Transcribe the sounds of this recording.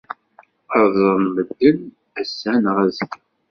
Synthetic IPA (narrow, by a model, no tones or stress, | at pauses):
əɾˤðˤəɾˤnməd̪ːən | æsːænʁæzəɡ